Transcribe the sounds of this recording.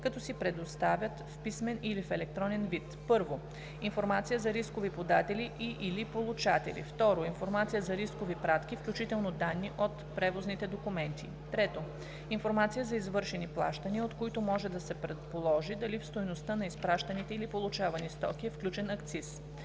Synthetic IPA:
kɐt̪ɔsipɾɛd̪ost̪avʲjət̪fpismɛnilifɛlɛk̚t̪ɾɔnɛnvit̪pɤɾvo | infoɾmat̪sijəzɐɾiskovipod̪at̪ɛliʔiʔilipolˠut͡ʃat̪ɛ̰lḭft̪ɔɾoinfoɾmat̪sijəzɐɾiskovipɾat̪k̟ifklʲut͡ʃit̪ɛlˠnod̪anːiʔot̪pɾɛvoznit̪ɛd̪okumɛnt̪ḭ | t̪ɾɛt̪o | infoɾmat̪sijəzɐizvɤɾʃɛniplˠa̰ʃt̪əniəot̪koit̪omɔʒɛd̪ɐsɛpɾɛt̪polˠɔʒid̪ɐlifst̪ojnost̪anɐispɾaʃt̪ɐnit̪ɛilipolˠut͡ʃavɐnist̪ɔ̰kʲiɛfklʲut͡ʃɛnɐkt̪sis

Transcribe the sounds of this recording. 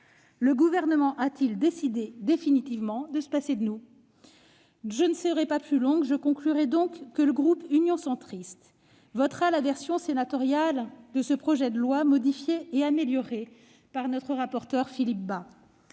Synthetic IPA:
ləɡuvɛʁnəmɑ̃ʔat̪ild̪esid̪ed̪efinit̪ivmɑ̃d̪əsə̥pased̪ənu | ʒənəsəʁɛpaplylɔ̃ɡʒəkɔ̃klyʁɛd̪ɔ̃kːələɡʁupynjɔ̃sɑ̃t̪χist̪ | vɔt̪χalavɛʁsjɔ̃senat̪ɔʁjald̪əsəpχɔʒɛd̪əlwamɔd̪ifjeːameljɔʁe | paʁnɔt̪χəʁapɔʁt̪œʁfilip̚ba

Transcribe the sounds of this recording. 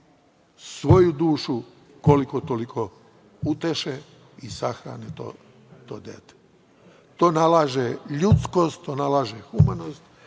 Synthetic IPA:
sʋo̞jud̪uːʃu | kolikot̪olikʰo̞ | ut̪eʃe | isaxɾa̰ːnet̪o̰ | t̪o̰ːd̪ḛt̪e̥ | t̪o̞ːnalaʒeʎut̪sko̞st̪t̪o̞ːnalaːʒexumano̞st̪

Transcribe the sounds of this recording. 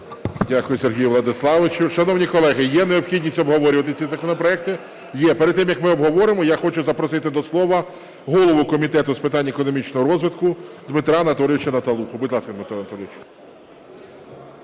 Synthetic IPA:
dʲakʊjʊsʲerɦʲijʊʋlˠɐd̪ɪslˠɑʋɪt͡ʃʊʃɐnɔwnʲikɔlˠɛɦɪjɛneɔpxʲidʲnʲisʲɔbɦɔʋɔɾʲʊʋɐt̪ɪt͡sʲizɐkɔnɔpɾɔɛk̚t̪ɪ | jɛpeɾed̪t̪ːɪmjɐkmɪɔbɦɔʋɔɾɪmɔjaxɔt͡ʃʊzɐpɾɔsɪt̪ɪd̪ɔslˠɔʋɐ | ɦɔlˠɔʋʊkɔmʲit̪ɛt̪ʊspɪt̪ɑnʲːɐekɔnɔmʲit͡ʃnɔɦɔɾɔzʋɪt̪kʊd̪mɪt̪ɾanɐt̪ɔlʲɪʋɪt͡ʃɐnɐt̪ɐlˠuxʊbʊdʲlˠɑskɐd̪mɪt̪ɾanɐt̪ɔlʲʋʲɪt͡ʃɐ̥

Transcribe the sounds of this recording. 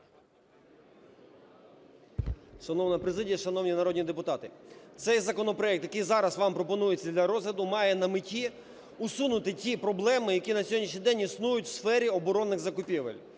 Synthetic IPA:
ʃɐnɔwnɐpɾezɪdʲijɐʃɐnɔwnʲinɐɾɔdʲnʲid̪epʊt̪ɑt̪ɪt̪sɛjzɐkɔnɔpɾɔɛk̚t̪jɐkɪjzɑɾɐsʋɑmpɾɔpɔnujet͡sʲːɐd̪lʲɐɾɔzɦlʲɐd̪ʊmɑjɛnɐmɪtʲi | ʊsunʊt̪ɪtʲipɾɔblˠɛmɪjɐkʲinɐsʲɔɔdʲnʲiʃɲʲijd̪ɛnʲisnujʊtʲwsfɛɾʲiɔbɔɾɔnːɪɣzɐkʊpʲiʋḛlʲ

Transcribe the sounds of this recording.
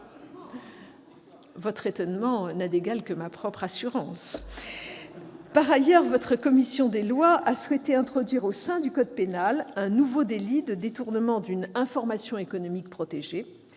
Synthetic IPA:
vɔt̪χet̪ɔnmɑ̃nad̪eɡalkəmapχɔpχasyʁɑ̃s | paʁajœʁvɔt̪χəkɔmisjɔ̃d̪elwaʔaswet̪eɛ̃t̪χɔd̪ɥiʁosɛ̃d̪ykɔd̪̚penalɛ̃nuvod̪elid̪əd̪et̪uʁnəmɑ̃d̪ynɛ̃fɔʁmasjɔ̃ekɔnɔmik̚pχɔt̪eʒe

